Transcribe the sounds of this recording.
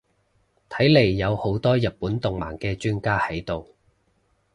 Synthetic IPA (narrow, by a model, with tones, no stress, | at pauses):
t̪ʰɐ˨˥jle˨˩jːɐ˨˧who˨˥wt̪ɔː˥jɐ˨t̚pːuː˨˥nt̪ʊ˨ŋma̰ː˨˩nkɛː˧t͡ʃyː˥nkaː˥hɐ˨˥jt̪o˨w